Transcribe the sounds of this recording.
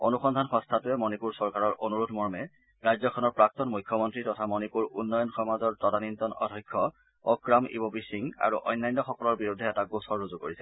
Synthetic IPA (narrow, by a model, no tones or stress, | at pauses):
o̰nuxɔndʱanxɔ̃nstʰatʊɛmɔnipuɹsɔɹkaɹɔɹʔonuɹudmɔɹmɛ | ɹajzɔkʰɔnɔɹpɹak̚tɔnmujkʰːjɔmɔntɹitɔtʰamɔnipuɹunːɔjɔnxɔmazɔɹtɔdanintɔnɔ̰dʱɔjkʰːɔ | ɔkɹamḭbɔbisiŋa̰ɹṵʔɔjnːajnːɔxɔkɔlɔɹbiɹudʱɛɛtaɡosɔɹːuzukoɹisɛ